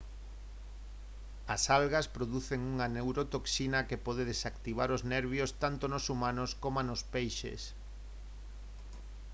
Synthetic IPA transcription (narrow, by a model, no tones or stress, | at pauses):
asalɣaspɾoðuθeŋuŋanewɾot̪oksinɐkepɔð̞eðesakt̪iβ̞aɾoznɛɾβ̞jost̪ant̪onosumanoskomanospejʃḛs